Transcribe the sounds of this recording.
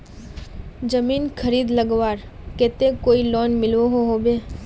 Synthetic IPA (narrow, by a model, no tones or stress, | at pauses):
d͡ʒəmiːnkʰəɾiːd̪ləɡʋaːɾ | keːt̪ekoːilɔːnmɪlʋoɦoɦoːbeː